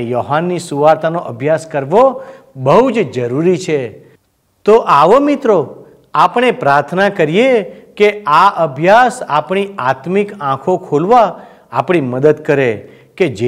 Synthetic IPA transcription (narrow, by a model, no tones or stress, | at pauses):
joɦanːisuʋaɾt̪ʰanoʔəbʱjaskəɾʋo | bəɦud͡ʒd͡ʒəɾuɾit͡ʃʰe | t̪oʔaʋomɪt̪ɾo | apɳ̃epɾaɾt̪ʰnakəɾijekeaʔəbʱjasapɳiat̪mikãkʰokʰolʋa | a̰pɳ̃iməd̪əd̪kəɾe | ked͡ʒe